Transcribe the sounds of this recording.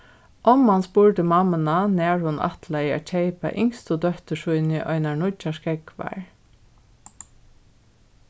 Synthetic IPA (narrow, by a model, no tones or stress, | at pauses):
ʔɔmːanspuːɹd̪əmɑmənanæːɹhʊnʔɑ̰t̪laa̰t͡ʃʰeɪpa̰ʔɪŋst̪ʊd̪œht̪əʃʊʏnɪʔɔ̰ʏnaɳʊt͡ʃaʃkɛɡʋæ̰ɹ